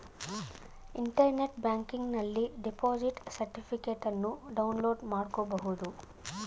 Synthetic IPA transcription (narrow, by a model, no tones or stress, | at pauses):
iɳʈɐɾneʈbjaːŋkiŋɡnɐlːiɖepoːd͡ʒiʈsɐɾʈipʰikeːʈɐnːuɖɐwunloːɖmaːɽkoːbɐɦud̪u